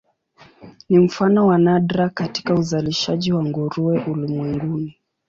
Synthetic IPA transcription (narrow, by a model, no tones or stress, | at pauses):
nim̩fanɔwanaɗɾakati̥kauzaliʃaʄiwaŋɡuɾuɛʔulimwɛŋɡuni